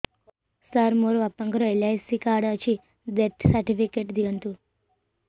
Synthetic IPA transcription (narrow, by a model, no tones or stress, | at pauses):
saɾmoɾʋapəŋkɾɔelajsikaɽət͡ʃʰi | d̪eʈsəɾʈifikeʈd̪iənt̪u